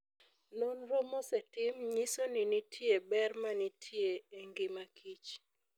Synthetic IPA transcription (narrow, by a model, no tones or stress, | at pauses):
nɔnɾɔmɔsɛtɪmɲisonɪnitʰjebɛrmanitʰjeeŋɡɪmakʰit͡ʃ